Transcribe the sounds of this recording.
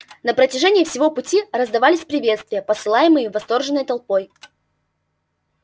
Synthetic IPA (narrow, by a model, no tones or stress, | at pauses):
nəpɾətʲɪʐɛnʲɪjːfsʲɪvo̞pʊtʲirəzd̪ɐvalʲɪsʲpɾʲɪvʲe̞t̪st̪vʲɪjəpəsɨlˠajɪmɨjɪvɐst̪o̞rʐɨnːəjt̪ɐlˠpo̞j